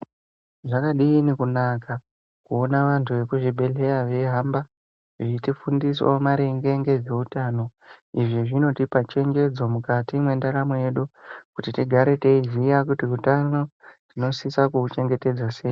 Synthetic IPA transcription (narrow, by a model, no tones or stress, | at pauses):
ʐakaɗiːnikunaka | kuonaʋantʰuʋe̞kuʐibʱe̞ɮe̞ɾaʋe̞ɦamba | ʐiitifundiswo̰maɾe̞ŋɡe̞ŋɡe̞d͡ze̞utano̞iʐiʐino̞tipat͡ʃe̞ŋɡe̞d͡zo̞mukatimwe̞ndaɾamoje̞ɗukutitiɡʱaɾe̞teizijakutikutano̞tino̞sisakut͡ʃe̞ŋɡe̞te̞d͡zwaseːji